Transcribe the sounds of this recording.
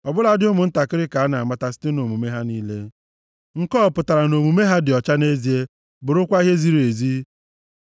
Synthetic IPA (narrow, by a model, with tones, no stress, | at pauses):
ɔ˨bʊ˦la˦dɪ˦ʊ˦mʊ˨n̩˦ta˨kɪ˦ɾɪ˦ka˨a˦na˨a˨ma˦ta˦si̥˦tɪ˦no˨mu˨me˦ɦa˦niː˦le˦ | ŋ̩˨kɔː˦˨pʊ˨ta˨ɾa˨no˨mu˨me˦ɦa˦dɪ˨ɔ˨t͡ʃa˦ne˦zi˨e˦ | bʊ˨ɾʊ˦kʷa˦i˦ɦe˦zi˦ɾi˨e˨zi˦